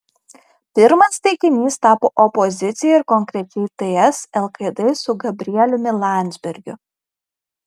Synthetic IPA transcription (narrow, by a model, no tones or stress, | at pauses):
pʲɪɾmɐst̪ʲɛɪkʲɪmʲiːst̪ɑːpoːʔɔpɔzʲɪt̪sʲɪjɛɪɾkɔŋʲkɾʲɛt͡ʃʲɛɪt̪eɛsɛlˠkɐd̪esʊɡɐbʲɾʲɪɛlʲʊmʲɪlˠɑˑnʲd̪zʲbʲɛɾʲɡʲʊ